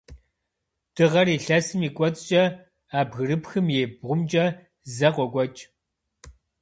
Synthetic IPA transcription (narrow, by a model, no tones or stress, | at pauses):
d̥ɨʁɐriːɬɐsɨmiːkʷʼɔt͡sʼt͡ʃʼɐ | aːbɣɨrɨpxɨmjeːb̚ʁʷʊmt͡ʃʼɐ | zɐqʷɔkʷʼɔt͡ʃʼ